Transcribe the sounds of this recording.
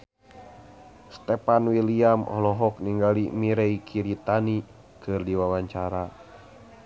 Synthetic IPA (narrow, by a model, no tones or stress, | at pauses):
st̪ɛpanwiliamɔ̰hlɔɦɔk̚niŋɡalimiɾɛikʰiɾit̪ani | kʰɨrdiwawaɲt͡ʃaɾa